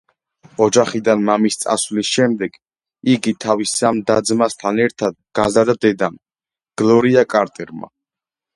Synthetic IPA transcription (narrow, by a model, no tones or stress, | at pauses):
ɔd͡ʒaχid̪anmamist̪sʼa̰svlisʃɛmd̪ɛɡ̥ | iɡit̪ʰavisːamd̪ad̪zmast̪ʰanɛɾt̪ʰad̪̚ɡ̥azaɾd̪ad̪ɛd̪am | ɡ̥lˠɔɾiakʼaɾt̪ʼɛɾma̰